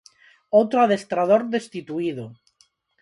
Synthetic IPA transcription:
ot̪ɾoaðest̪ɾað̞oɾðest̪it̪uiðo

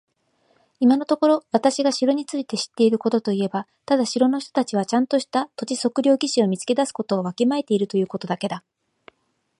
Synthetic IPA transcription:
imano̞t̪o̞ko̞ɾo̞βat̪aɕiɡaɕiɾo̞ɲ̟it͡sɨit̪e̞ɕi̥t̪ːe̞iɾɯ̟ko̞t̪o̞t̪o̞ie̞ba | t̪ad̪aɕiɾo̞no̞çi̥t̪o̞̥t̪at͡ɕiβ̞at͡ɕãnt̪o̞ɕi̥t̪at̪o̞t͡ɕiso̞kɯ̟ɾʲo̞ːɡʲiɕio̞mʲit͡sɨ̥ke̞d̪asɨ̥ko̞t̪o̞ːβakʲimae̞t̪e̞iɾɯ̟t̪o̞jɯ̟ːko̞t̪o̞d̪ake̞d̪a

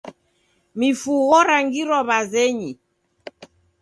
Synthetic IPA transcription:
mifuɣɔɾaŋɡiɾɔβazɛɲi

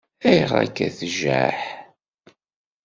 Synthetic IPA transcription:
æjʁæ̰kːæθʒæħ

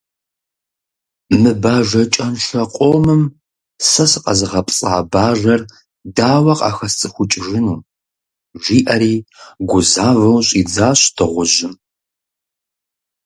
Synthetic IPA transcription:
mɨbaːʒɐt͡ʃʼɐnʃɐqʷʼoːmɨm | sɐsɨqʼɐ̰zɨʁɐpʼsʼaːbaːʒɐr | daːwɐqʼɑ̰ːxɐst͡sʼɨxʷʊt͡ʃʼɪʒɪnuː | ʒʷiːʔɐɾiːɡʷʊzaːvɐwɕʼiːd͡zaːɕtʰɨʁʷʊʒɪm

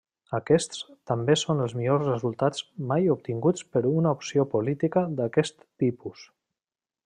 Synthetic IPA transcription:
əkɛst̪st̪əmbesonəlˠzmiʎozrəzulˠt̪ad͡zmajup̚t̪iŋɡut͡spəɾunəupsiopulit̪ikəd̪əkɛst̪ːipus

